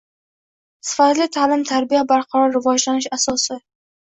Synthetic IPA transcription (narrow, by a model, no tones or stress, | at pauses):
sɪ̥fat̪lɪt̪ʰaːlɪmt̪ʰaɾbɪjabaɾqʰɒɾɒnɾɪvɒd͡ʒlanɪʃasɒsɪ